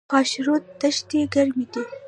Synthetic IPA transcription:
ɑʃɾot̪̚ːaʃt̪eɡaɾmid̪i

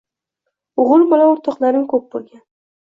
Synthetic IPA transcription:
ʊʁʊɾmɒlaʊɾt̪ʰɒqlaɾɪmkʰɵp̚bolɡʲan

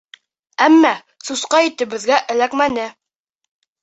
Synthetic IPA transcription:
æmːæ | susqɑit̪ɘ̆βɘ̆ðɡæʔɘ̆lækmænɘ

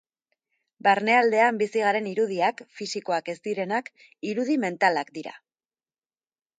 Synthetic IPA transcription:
baɾne̞ald̪e̞ambisiɣ̞aɾe̞niɾuðiakfisiko̞ake̞st̪iɾe̞nak | iɾuðime̞nt̪alakd̪iɾa̰

